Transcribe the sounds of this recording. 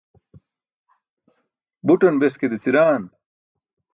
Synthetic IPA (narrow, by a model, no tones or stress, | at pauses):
buʈɐnbesked̪et͡siɾaːn